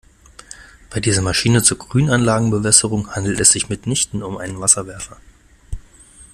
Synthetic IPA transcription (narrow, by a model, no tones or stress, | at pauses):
b̥aɪdiːzɐmaʃiːnət͡suːɐɡʁyːnanlaːɡŋ̩bəvɛsəʁ̞ʊŋhandl̩tɛsz̥ɪçmɪtnɪçtn̩ʊmʔaɪnənvasɐvɛɐfɐ